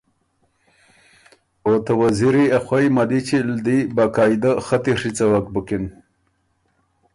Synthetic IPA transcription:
ot̪awaziɾiaxwajmad̪it͡ɕild̪ibakaːjd̪axat̪iʂit͡sawakbukin

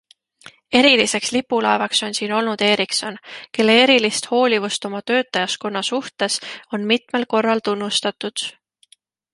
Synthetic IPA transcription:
e̞ɾilise̞kslipːˑulɑe̞vɑkso̞nsiːno̞lnud̪̥e̞ːɾikso̞nke̞lːeeɾilist̪ho̞ːlʲivust̪o̞mɑt̪ø̞ːt̪ːˑɑjɑsko̞nːɑsuht̪e̞so̞nmit̪me̞lko̞rːɑlt̪unːust̪ɑt̪ud̪̥

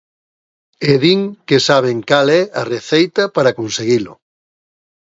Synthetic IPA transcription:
eðiŋkesaβ̞eŋkalɛɐreθejt̪apaɾakõnseɣilʊ̰

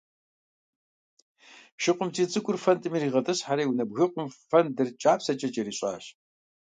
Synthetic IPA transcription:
ʃɪqʷʊmtʰiːt͡sʼɨkʷʼʊrfɐntʼɨmiriːʁɐtʼɨsħaɾɐːjwunɐbɣɨqʷʼʊmfɐndɨrt͡ʃʼaːpsɐt͡ʃʼɐt͡ʃʼɐɾiːɕʼa̰ːɕ

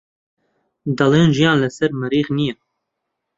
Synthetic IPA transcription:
d̪ɑlˠeːnʒijɑ̃ːnləsɛɾmɨɾiːχnijɛ

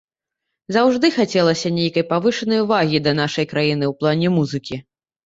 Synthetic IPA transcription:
zawʐd̪ɨxat͡sʲɛlˠɐsʲɐnʲejkɐjpavɨʂɐnɐjuvaɣʲid̪ɐn̪aʂɐjkɾajin̪ɨwplˠanʲɛmuzɨkʲi

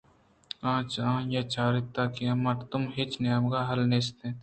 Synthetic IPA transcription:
ãːt͡ʃãːjɐt͡ʃaːɾɪt̪ːaːkẽmɐʈt̪ʊmɦɪt͡ʃnijəmɡaːɦɐlneːst̪ẽː

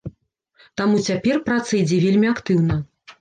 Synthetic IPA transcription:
t̪amut͡sʲapʲɛrpɾat̪sɐjd͡zʲɛvʲelʲmʲiakt̪ɨwn̪ɐ

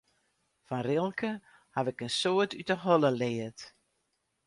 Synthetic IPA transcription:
fanrɪlˠkʰə | haʋɪkənsoətytəɦɔləlɪːət

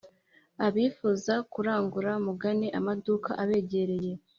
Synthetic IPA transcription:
aβiːfuzakuɾaːŋɡuɾamuɡaneʔamaduka̰ʔaβe̞ːɟe̞ɾe̞je

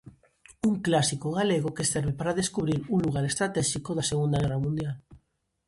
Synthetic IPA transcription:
uŋklasikoɣ̞aleɣ̞okeseɾβepaɾaðeskuβɾiɾuŋluɣ̞aɾest̪ɾat̪ɛʃikoðaseɣund̪aɣɛrramũnd̪jal

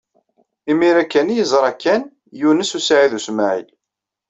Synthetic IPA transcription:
imiɾækːænjəzˤɾˤɑkːæn | junəsusʕiðusmaʕḭl

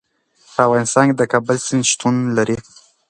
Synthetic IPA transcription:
pəavɣɑnɪst̪ɑnked̪əkɑbəlsɪnʃt̪unlaɾi

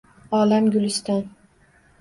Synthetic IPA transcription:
ɒːlamɡʲʊlɪst̪an

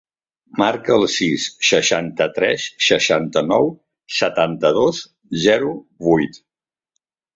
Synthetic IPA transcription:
maɾkəːlˠsisːəʃant̪ət̪ɾɛsːəʃant̪ənɔw | sət̪ant̪əðos | zɛɾuβujt̪

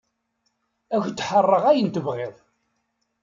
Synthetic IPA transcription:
æçd̪ħərˤːəʁæjənt̪əvʁeðˤ

